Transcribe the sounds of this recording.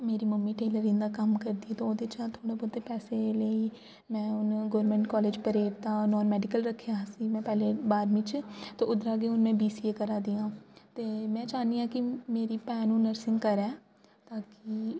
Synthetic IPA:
meːɾiːməmːiːʈeːləɾĩnd̪aːkəmkəɾd̪iːɛːt̪õoːd̪et͡ʃãːt̪ʰoːɽaːbɔdt̪ːepɛːseləiː | mɛ̃ːʊnɡɔːɾmɛ̃ɳʈkɔːleːd͡ʒpəɾeːɾt̪ãːnɔːnmɛːɖɪkəlɾəkʰːjaːsiːmɛ̃ːpɛːleːbaːɾmɪt͡ʃt̪õːʊd̪ɾaːɡeːʊnmɛ̃ːbiːsiːeːkəɾaːd̪iːãːt̪eːmɛ̃ːt͡ʃaːniːãːkɪmeːɾiːpɛːnũːnəɾsɪ̃ŋɡkəɾɛː | t̪aːkɪ

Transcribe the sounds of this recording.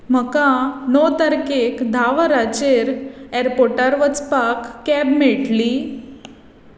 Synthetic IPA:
m̤əkanot̪əɾkekd̪ʱaʋɾat͡ɕeɾeɾpoɾʈəɾʋət͡spakːɛbmeʈli

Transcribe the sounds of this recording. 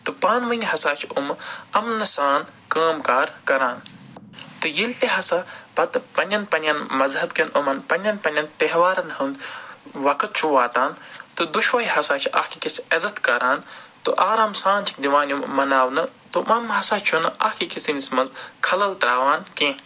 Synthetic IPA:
t̪upaːnʋɐnʲɦɐsaːt͡ʃʰumɐmnɐsaːnkaːmkaːɾkɐɾaːn | t̪ɨjilt̪eɦɐsabɐt̪pɐnʲjɐnpɐnʲjɐnmɐzhɐbkɐnumɐnpɐnʲjɐnpɐnʲɐnt̪eɦʋaːɾɐnhɐnd̪ʋɐkɐt̪̚t͡ʃʰuʋaːt̪aːnt̪ud̪uʃʋɐjihɐsaːt͡ʃʰiʔahkikisɐzɐt̪kɐɾaːnt̪uʔaːɾaːmsãːnt͡ʃʰi̥kd̪iʋaːnjumːɐnaːwnɐt̪umɐmɦɐsaːt͡ʃʰunɨaːhkikisinismɐnzkʰɐlɐlt̪ɾaːʋaːnkẽː

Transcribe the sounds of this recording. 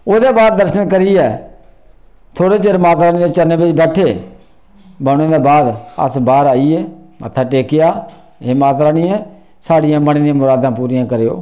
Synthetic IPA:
oːd̪eːbaːd̪̚ːəɾʃənkəɾiːɛː | t̪ʰoːɽeːt͡ʃeɾmaːt̪ɾaːnĩːd̪eːt͡ʃəɾneːbed͡ʒbɛːʈʰeː | bəɽ̃ẽːd̪eːbaːd̪ə̰sbaːɾaːieːmə̰t̪ʰːaːʈeːkɪjaː | eːmaːt̪̬ɾaːnĩːɛ̃ː | saːɽɪjãːbəɽeːd̪ijãːmʊɾaːd̪ãːpuːɾɪjãːkəɾeːo̰ː

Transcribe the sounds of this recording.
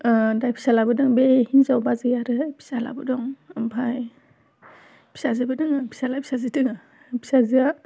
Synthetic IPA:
dajpʰi̥salabɯdɯŋbehinzawbazɯjaɾɯpʰi̥sala̰bɯdɔŋɯmbʰaj | pʰi̥sazɯbɯdɯŋɯpʰi̥salajpʰi̥sazitɯŋa | pʰi̥sazia

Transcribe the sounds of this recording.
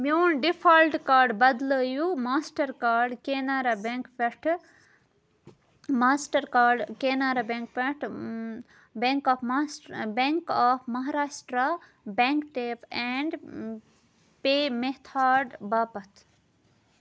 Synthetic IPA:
mjoːnɖipʰalʈkaːɾɖbɐd̪ləːjumaːsʈɐɾkaːɾɖkeːnaːɾabẽŋkʋeʈʰ | maːsʈɐɾkaːɖkeːnaːɾabẽŋkʋeʈʰ | beŋkɔːfʰmabeŋkaːfʰmɐɦaɾaːʃʈɾa | bẽŋkʈeːpɛɳɖ | peːmeɦt̪ʰaːɾɖbaːpɐt̪ʰ

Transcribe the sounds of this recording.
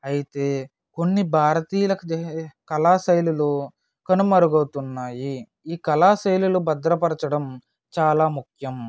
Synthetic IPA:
ɐjit̪e̞ː | ko̞nːibʱaːɾɐt̪iːjɐlɐkukɐlaːsɐjlulu | kɐnumɐɾuɡɐːt̪unːaːji | iːkɐlaːsɐjlulubɐd̪ɾɐpɐɾɐt͡ʃɐɽɐm | t͡ʃaːlaːmukʰjɐm

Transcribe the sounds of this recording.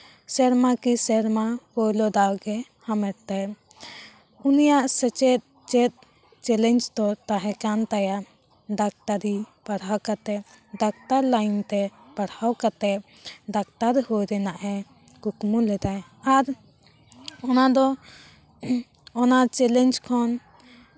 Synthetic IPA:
sɛɾmakisɛɾmahɔjlɔd̪awɡɛ | hamɛɽt̪aj | unijaʔsɛt͡ʃɛt̪̚ | t͡ʃɛt̪̚ | t͡ʃɛlɛɲd͡ʒd̪ɔt̪aɦɛ̃kant̪ajaʔ | ɖak̚t̪aɾipaɽawkat̪ɛʔ | ɖak̚t̪aɾlajnt̪ɛpaɽawkat̪ɛʔ | ɖak̚t̪aɾhujɾɛnaʔɦɛ | kukmulɛd̪aj | aɾ | ɔnad̪ɔ | ɔnat͡ʃɛlɛnd͡ʒkʰɔn

